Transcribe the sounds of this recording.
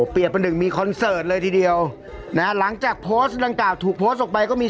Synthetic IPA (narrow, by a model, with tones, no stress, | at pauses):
pi˨˩ət̪̚ma˧nːɯ˨˩ŋmiː˧kʰɔ˧nsɤː˨˩t̪̚lɤː˧jt̪ʰiː˧di˧əw | na˦˥la˩˦ŋt͡ɕaː˨˩k̚pʰoː˦˥st̪daː˧ŋklaː˨˩wt̪ʰuː˨˩k̚pʰoː˦˥t̪ʔɔː˨˩pa˧jkɔː˥˩miː˧